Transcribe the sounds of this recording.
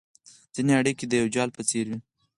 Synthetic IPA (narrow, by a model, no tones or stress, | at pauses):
z̥ineaɽiked̪əjawd͡ʒɑlpət͡seɾwi